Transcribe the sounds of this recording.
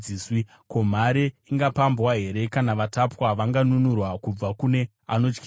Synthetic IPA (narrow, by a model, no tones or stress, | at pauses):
iːswi | ko̞m̤aɾeiŋɡapambwaɦe̞ɾe̞kanaʋatapwaʋaŋɡanunurwakub͡vakune̞ | a̰no̞t͡ʃki